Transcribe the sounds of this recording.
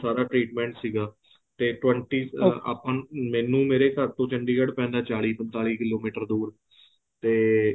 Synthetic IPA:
saːɾaːʈɾiːʈmɛ̃ːɳʈsiːɡaː | t̪eːʈʋə̃ɳʈiːa̰ːpãːmɛ̃ːnũːmeːɾeːkəɾt̪õːt͡ʃəɳɖiːkəɽpɛ̃ːnd̪aːt͡ʃaːɭiːpənt̪aːliːkɪloːmiːʈəɾd̪uːɾ | t̪eː

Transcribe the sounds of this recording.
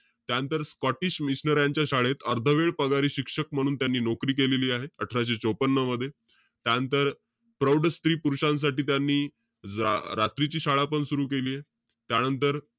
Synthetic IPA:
t̪jaənt̪əɾskɔʈiɕmiɕnəɾjaɲt͡ɕjaɕaɭet̪əɾd̪ʱəʋeɭpəɡaɾiːɕikʂək̚m̤əɽ̃uːnt̪janːiːnokɾiːkeleliːaɦeəʈʰɾaɕet͡ɕopənːəməd̪ʱːje | t̪jant̪əɾ | pɾəwɖst̪ɾiːpuɾuʂãns̬aʈiːt̪janːḭː | ɾat̪ɾit͡ɕiːɕaɭapəɳsuɾuːk̬eliːe | t̪janənt̪əɾ

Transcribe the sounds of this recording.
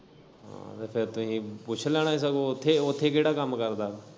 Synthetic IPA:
ɦã̰t̪epʰɪɾt̪ʊɦĩpʊt͡ʃʰələɽ̃aĩs̬əɡoʊt̪ʰːeʊt̪ʰekeːɽakəmkəɾd̪aː

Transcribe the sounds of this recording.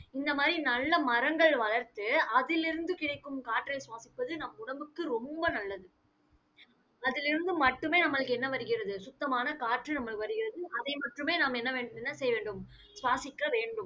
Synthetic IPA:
ɪnd̪ɐmaːd̪ɾinɐlːɐmɐɾɐŋɡɐɭʋɐɭɐɾt̪ɯɐðɪlɪɾɯnd̪ɯkɪɽɐɪkːɯmkaːʈːrɐɪsʊʋaːsɪpːɐðɯnɐmːɐʊɽɐmbɯkːɯɾɔmbɐnɐlːɐðɯ | ɐðɪlɪɾɯnd̪ɯmɐʈːɯmeːnɐmːɐɭɯkːɯɛnːɐʋɐɾɯɣɪɾɐðɯsʊt̪ːɐmaːnɐkaːʈrɯnɐmːɐɭɯkːɯʋɐɾɯɣɪɾɐðɯʔɐðɐɪmɐʈrɯmeːnaːmɛnːɐːɛnːɐsɛjɐʋeːɳɖɯm | sʋaːsɪkːɐʋeːɳɖɯm

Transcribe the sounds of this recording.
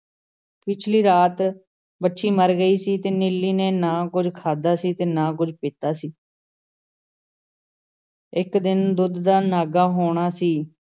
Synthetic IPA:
pɪt͡ʃʰliːɾaːt̪ | bəʈːʃiːməɾɡəiːsiːt̪eːnɪlːiːnẽːnãːkʊd͡ʒkʰaːd̪aːsiːt̪eːnãːkʊd͡ʒpɪːt̪aːsiː | ɪkd̪ɪnd̪ʊd̪d̪aːnaːɡaːɦoːɽ̃aːsiː

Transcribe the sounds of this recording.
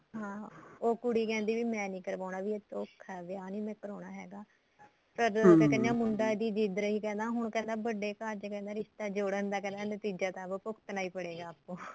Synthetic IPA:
ɦãːoːkʊɽiːkɛ̃ːnd̪iːʋiːmɛ̃ːnĩːkəɾʋaːnaːʋiːeːt̪õkʰːɛːʋɪjaːnĩːmɛ̃ːkəɾoːɳaːɦɛːɡaː | pəɾkɛkɛnãːmʊɳɖaːed̪iːd͡ʒiːd̪ɾəiːkɛ̃ːnd̪aːɦʊɳkɛ̃ːnd̪aːbəɖeːkad͡ʒkɛ̃ːnd̪aːɾɪst̪aːd͡ʒoːɽənd̪aːkɛ̃ːnd̪aːnət̪iːd͡ʒaːt̪ãːbəpʊkt̪naːiːpəɽeːɡaːəpːõː

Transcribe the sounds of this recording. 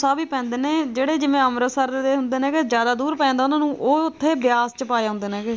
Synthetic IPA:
saːbiːpɛ̃ːnd̪eːneːd͡ʒeːɽeːd͡ʒɪʋẽːəmɾəsəɾd̪eːɦʊnd̪eːnẽːkɪzjaːd̪aːd̪uːɾpɛ̃ːnd̪aːʊnãːnũːʔoːʊt̪ʰːeːbɪjaːst͡ʃəpaːjaːɦʊ̃nd̪eːneːkɪ

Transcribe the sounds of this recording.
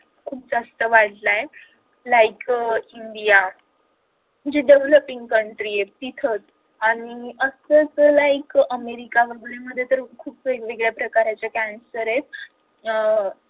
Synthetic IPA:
kʰuːp̚d͡zast̪əʋaɽlaje | laikiɳɖija | d͡ʑeɖeʋləpiŋɡkəɳʈɾiet̪it̪ʰət͡s | aniəsət͡slaikəmeɾikaʋəɡəɭeməd̪ʱːjet̪əɾkʰuːpʋeɡʋeɡɭjapɾəkaɾjat͡ɕjakænsəɾet̪̚

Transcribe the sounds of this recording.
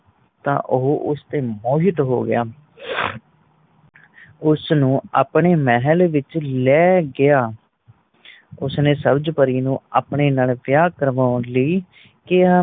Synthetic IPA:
t̪ã̰ːʔʊɦʔʊst̪eːmɔːɦɪt̪ɦo̰ːɡɪ̰jaː | ʊsnũːa̰ːpɳeːmɛɦəlʋɪt͡ʃlɛːɡɪjaː | ʊsneːsəbd͡ʒpəɾiːnũːaːpɳeːnaːlʋɪjaːkəɾʋaːʊnləiː | kɪaː

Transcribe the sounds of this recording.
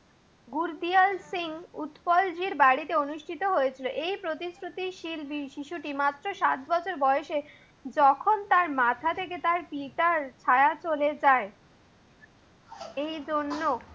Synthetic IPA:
ɡuɾd̪ialsiŋut̪pɔld͡ʑiɾbaɽit̪eonuʃʈʰit̪oɦojet͡ɕʰiloʔejpɾot̪isɾut̪iʃilbiʃiʃuʈimat̪ːɾoʃat̪bɔt͡ɕʰoɾbɔeʃe | d͡ʑɔkʰont̪aɾmat̪ʰat̪ʰek̬et̪aɾpiʈaɾt͡ɕʰaeat͡ɕoled͡ʑae | ejd͡ʑonːo

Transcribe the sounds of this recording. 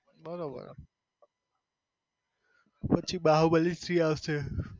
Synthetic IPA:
bʱəɾobə̰ɾ̰ | pət͡ʃʰibaɦuwbəlist̪ɾiawse

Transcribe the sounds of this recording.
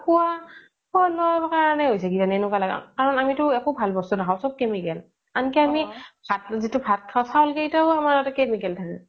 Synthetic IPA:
kuwa | pɔlɔjbakaanɛɦojsɛɡitanɛnʊkalaɡa̰kaɹɔnamitʊɛkobʱalbɔstunakʰãwʊ̃sɔb̚kɛmikɛl | ankɛamibʰʱat̚zitʊbʰʱat̚kʰawsawlkejtaamaɹatakɛmikɛltʰakɛ

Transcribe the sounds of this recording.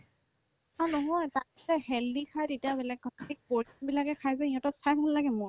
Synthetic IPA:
anɔɦɔjta | sɛhɛldikʰajtetiabɛlɛk̚ɡʱɔtik̚poɹibilakɛkʰajzaiɔ̃tɔsajkʰɔllaɡɛmʊ

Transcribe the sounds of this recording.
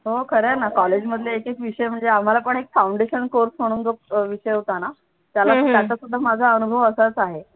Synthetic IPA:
ɦokʰəɾanakɔled͡ʑməd̪ʱljeːkekʋiɕəjm̤əɳd͡zeam̤alapəɳekfawɳɖeɕənkoɾsm̤əɽ̃uːnd͡zok̚ʋiɕəjɦot̪ana | t̪jalat̪jat̪asud̪ʱːamad͡zʱaənubʱəʋəsat͡saɦe

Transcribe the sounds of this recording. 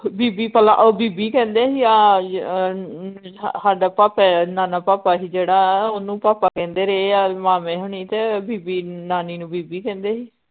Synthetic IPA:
biːbiːpəlã̰ʔoːbiːbiːkɛ̃ːnd̪eːɦiːaː | saːɖaːpaːpɛnaːnaːpaːpaːɦiːd͡ʒeːɽaːonũːpaːpaːkɛ̃ːnd̪eːɾeeːaːmaːmẽːɦʊɳ̃iːt̪eːbiːbiːnaːniːnũːbiːbiːkɛ̃ːnd̪eːɦiː

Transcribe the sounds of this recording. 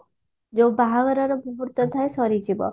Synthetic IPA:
d͡ʒobaɦaɡɔɾɔɾɔbubuɾt̪ɔt̪ʰaesɔɾid͡ʒibɔ̰

